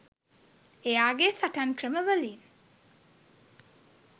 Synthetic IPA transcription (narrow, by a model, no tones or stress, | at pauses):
ejaːɡesaʈaŋkrəməʋəliːn